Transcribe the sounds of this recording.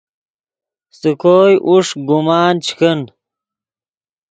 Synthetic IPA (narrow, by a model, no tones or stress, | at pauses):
st̪ukʰoːjʔuʂɡumaːnt͡ɕʰkən